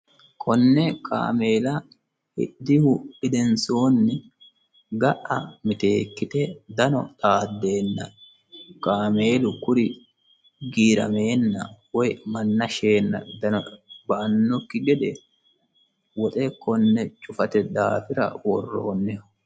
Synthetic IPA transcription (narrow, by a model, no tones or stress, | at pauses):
kʰɔnːɛkʰa̰ːme̞ːlɐ | hɪ̰d̪ɪhʊɪd̪ɛnsoːnːɪ | ɡɐʔɐmɪt̪e̞ːkːɪt̪ɛd̪ɐnɔ̰t̪ʼaːd̪ːe̞ːnːɐ̰ | kaːme̞ːlʊkʊɾɪ | ɡiːɾɐ̰me̞ːnːɐ̰wɔjmɐnːɐʃe̞ːnːɐ̰d̪ɐnɔbɐʔɐnːɔkːɪɡɛd̪ɛ | wɔt̪ʼɛkɔnːɛt͡ʃʼʊfɐt̪ɛd̪aːfɪɾɐ̰wɔrːo̰ːnːɛ